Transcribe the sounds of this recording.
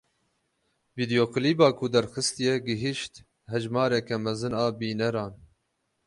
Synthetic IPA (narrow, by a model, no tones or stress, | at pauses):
viːd̪ijoːkɨliːbɑːkʰud̪ɛɾxɨst̪ijɛɡɪɦiʃt̪ | hɛʒmɑːɾɛkɛmɛzɨnɑːbiːnɛɾɑːn